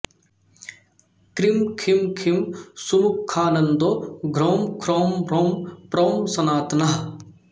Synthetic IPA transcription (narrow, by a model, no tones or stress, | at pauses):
kɾimkʰimkʰimsumukʰːaːnɐnd̪oɡʱɾoːmkʰɾoːmɾoːmpɾoːmsɐnaːt̪nɐɦ